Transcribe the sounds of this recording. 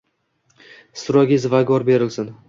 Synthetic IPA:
sʊɾɒɡʲɪzvaɡɒɾbe̞ɾɪlsɪn

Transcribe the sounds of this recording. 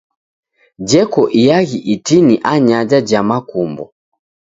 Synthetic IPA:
d͡ʒɛkɔʔijaɣiʔitiniʔaɲad͡ʒad͡ʒamakumbɔ̰

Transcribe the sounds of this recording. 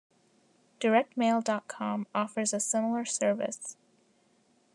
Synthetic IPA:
d̥ə˞ɛk̚t̚meɪlˠdɑt̚kʰɑ̃mɔfə˞zɨsɪ̃ml̩ˠə˞sɜ˞vɨ̰s

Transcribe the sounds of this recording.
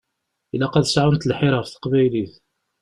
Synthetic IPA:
ilːæqɑðsʕʊnt̪lħɪɾˤʁəfθə̥qbæjliθ

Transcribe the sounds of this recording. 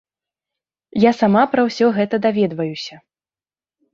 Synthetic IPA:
jasamapɾɐwsʲɔɣɛt̪ɐd̪avʲɛd̪vɐjusʲɐ

